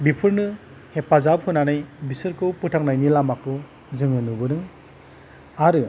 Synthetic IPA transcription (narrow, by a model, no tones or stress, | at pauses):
bipʰɯɾnɯ | hepazab̚kʰɯnanajbisɯɾkʰɯwpɯtʰaŋnajnilamakʰɯ | zɯŋɯnɯbɯɾɯŋ | aɾɯ